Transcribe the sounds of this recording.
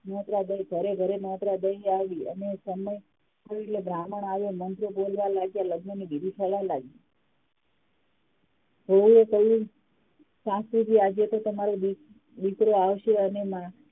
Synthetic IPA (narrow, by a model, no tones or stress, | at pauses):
mɔ̃t̪ɾad̪əjɡʱəɾeɡʱəɾemɔt̪ɾad̪əiaʋʋiə̰nesəməj | tʰəɾeʈlebɾaməɳaʋomənt̪ɾobolʋalaɡjaləɡnənibid̪ʱipʰəlalaɡi | ɦəuekəjũ | sãsibʱiad͡ʒet̪ot̪əmaɾe | d̪ikɾoaʋʃeənemã